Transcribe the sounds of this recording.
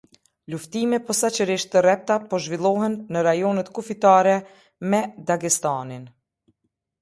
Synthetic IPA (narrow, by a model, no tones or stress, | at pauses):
luft̪imɛpɔsat͡ʃəɾiʃt̪ərɛp̚t̪apɔʒvilˠɔɦɛnːəɾajɔnət̪kufit̪aɾɛ | mɛd̪aɡist̪anin